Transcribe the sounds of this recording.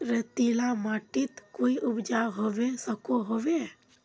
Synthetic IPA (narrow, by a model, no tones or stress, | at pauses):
ɾet̪ilamaːʈit̪koːiʔʊbd͡ʒaɦoʋesəkoɦoʋe